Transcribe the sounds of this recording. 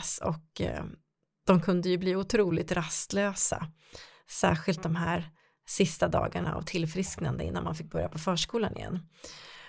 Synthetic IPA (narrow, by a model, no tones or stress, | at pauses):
sɔ̰k | d̪̥ɔmkʰɵnd̪əjɵbliːʊt̪ʰɾuːlɪt̪ɾast̪løːsa̰ | sæ̰ːɧɪlt̪̚d̪ɔmɦæɾ | sɪst̪ad̪ɑ̰ːɡaɳaa̰vt̪ʰɪlfɾɪsknand̪əɪ̰nːanmanfɪk̚bœɾjapʰɔfœːʂkuːlanɪ̰jɛ̰nː